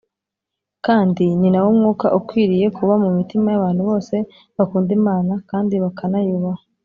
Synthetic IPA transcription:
kaːndininawomŋuːka̰ʔukwiːɾije̞kuβamumitimajaβaːn̥huβo̞ːse̞ | βakuːndimaːnakaːndiβakʰanajuβaho

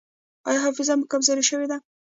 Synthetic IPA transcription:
ɑ̰jɑɦɑfɪzamʊkabzɑɾiʃəwed̪a

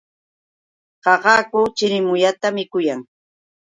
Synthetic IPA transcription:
ɢɑɢɑːkʊt͡ʃɪɾɪmʊʎat̪amɪkʊjaŋ

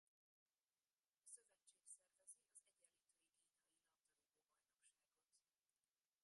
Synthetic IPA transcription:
sø̞vɛt͡ʃːeːksɛrvɛzeːɒzɛɟɛlːiːt̪øːjikiːnɒjilɒt̪ɒlojd̪oːbɒjno̞kʃaːɡo̞t̪

